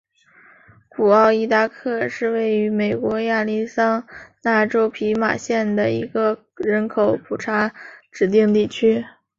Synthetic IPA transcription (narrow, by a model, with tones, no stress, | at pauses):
kʰu˨˩ɑ˥˧ʊi˥t̪a˥˧kʰɤ˥˧ʂɻ̩˥˧we˥˩ɪy˧˥me˨˩ɪkwɔ˧˥ja˥˩li˥sɑ˥ŋna˥˩ʈ͡ʂo˥ʊpʰi˧˥ma̰˨˩ɕjɛ˥˩nd̪ə˩i˧˥ɡə˧ | ɻə˧˥nkʰo˨˧˩ʊpʰu˨˩ʈ͡ʂʰa˧˥ʈ͡ʂɻ̩˨˩t̪i˥˧ŋt̪i˥˩t͡ɕʰy˥